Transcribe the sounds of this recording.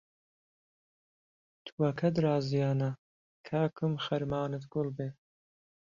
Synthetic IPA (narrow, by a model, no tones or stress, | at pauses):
t̪ʰuwɐkʰɐd̪ɾaːzijaːnɐ | kʰaːkʰɨmxɐɾmaːnɨt̪ɡ̥ʊlbeː